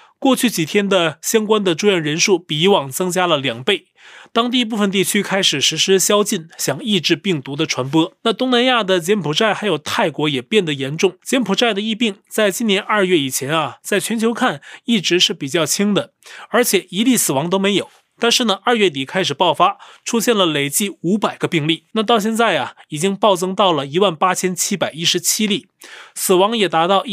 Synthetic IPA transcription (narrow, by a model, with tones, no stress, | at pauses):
kwɔ˥˧t͡ɕʰy˥˩t͡ɕi˨˩t̪ʰjɛ˥nd̪ə˨ɕjɑ˥ŋkwa˥nd̪ə˨ʈ͡ʂu˥˧jɛ˥˩nɻə˧˥nʂu˥˩pi˨˩i˧˥wɑ˨˩ŋt͡sɤ˥ŋt͡ɕja˥lə˨ljɑ˨˩ŋpe˥˩ɪ | t̪ɑ˥ŋt̪̬i˥˧p̬u˥˩fə˨˩nt̪̬i˥˩t͡ɕʰy˥kʰa˥ɪʂɻ̩˨˩ʂɻ̩˧˥ʂɻ̩˥ɕjɑ˥ʊt͡ɕi˥˩nɕjɑ˨˩ŋi˥˧ʈ͡ʂɻ̩˥˧pi˥˩ŋt̪u˧˥d̪ə˧ʈ͡ʂʰwa˧˥npwɔ˥na˥˩t̪ʊ˥ŋna˧˥nja˥˩d̪ə˩t͡ɕjɛ˧˥npʰu˨˩ʈ͡ʂa˥˩ɪxa˧˥ɪjo˨˩ʊt̪ʰa˥˩ɪkwɔ˧˥jɛ˨˩pjɛ˥˩nd̪ə˩jɛ˧˥nʈ͡ʂʊ˥˩ŋt͡ɕjɛ˧˥npʰu˨˩ʈ͡ʂa˥˩ɪd̪ə˩i˥˧pi˥˩ŋt͡sa˥˧ɪt͡ɕi˥njɛ˧˥nʔɐ˥˧ɥɛ˥˩i˨˩t͡ɕʰjɛ˧˥nɐ˨t͡sa˥˩ɪt͡ɕʰɥɛ˧˥nt͡ɕʰjo˧˥ʊkʰa˥˩ni˥˩ʈ͡ʂɻ̩˧˥ʂɻ̩˥˩pi˨˩t͡ɕjɑ˥˩ʊt͡ɕʰi˥ŋd̪ə˨ | ə˞˧˥t͡ɕʰjɛ˨˩i˧˥li˥˩sɹ̩˨˩wɑ˧˥ŋt̪o˥ʊme˧˥ɪjo˨˩˦ʊ | t̪a˥˧nʂɻ̩˥˩nə˩ʔɐ˞˥˧ɥɛ˥˩t̪i˨˩kʰa˥ɪʂɻ̩˨˩pɑ˥˩ʊfa˥ʈ͡ʂʰu˥ɕjɛ˥˩nlə˩le˨˩ɪt͡ɕi˥˩u˧˥pa˨˩ɪɡə˦pi˥˧ŋli˥˩na˥˧t̪ɑ˥˧ʊɕjɛ˥˧nt͡sa˥˩ɪɐ˩i˨˩t͡ɕi˥ŋpɑ˥˩ʊt͡sɤ˥ŋt̪ɑ˥˩ʊlə˩i˧˥wa˥˩npa˥t͡ɕʰjɛ˥nt͡ɕʰi˥pa˨˩ɪi˥ʂɻ̩˧˥t͡ɕʰi˥li˥˩ | sɹ̩˨˩wɑ˧˥ŋjɛ˨˩t̪a˧˥t̪ɑ˥˧ʊ